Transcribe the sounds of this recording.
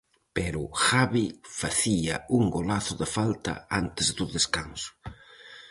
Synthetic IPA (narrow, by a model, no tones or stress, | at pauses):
pɛɾʊxaβifaθiɐuŋɡolaθʊðɪfalt̪ɐ̰ant̪ɪzd̪ʊðeskansʊ̥